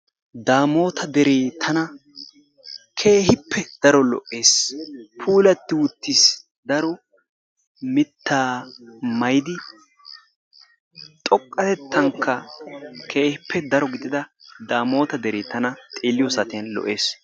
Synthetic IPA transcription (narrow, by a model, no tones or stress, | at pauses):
d̪aːmo̞ːt̪ʰɐd̪ɛɾeːt̪ʰɐnɐ | kʰe̞ːhɪpʰːɛd̪̥ɐɾɔlɔ̰ʔːe̞ːspʰuːlɐt̪ːɪwʊt̪ːis | d̪ɐɾɔ | mɪt̪ʰːaːmɐjd̪ɪ | t̪ʼɔkʼːɐt̪ɛt̪ʰːɐŋkːɐkʰe̞ːhɪpʰːɛd̪ɐɾɔɡɪd̪ɪd̪ɐd̪aːmo̞ːt̪ɐd̪ɛɾeːt̪ɐnɐt̪ʼeːlːɪjɔsɐt̪ɪjɐnlɔ̰ʔe̞ːs